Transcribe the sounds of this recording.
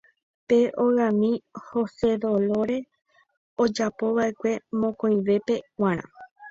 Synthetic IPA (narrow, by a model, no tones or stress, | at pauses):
pe̞ʔoɣãmĩho̞se̞ðo̞lo̞ɾe̞ | od͡ʒapo̞βaʔe̞kʷe̞mõkõj̃ʋe̞pe̞wãɾ̃ã̰